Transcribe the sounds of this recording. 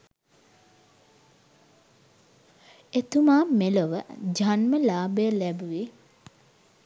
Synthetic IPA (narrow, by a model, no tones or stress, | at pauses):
et̪umaːmeləʋəd͡ʒanməlaːbəjəlæbuʋi